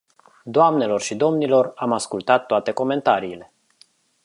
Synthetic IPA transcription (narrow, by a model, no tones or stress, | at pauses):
d̪oamne̞lo̞rʃid̪o̞mnilo̞ramaskult̪at̪ːoat̪e̞ko̞me̞nt̪aɾiːle̞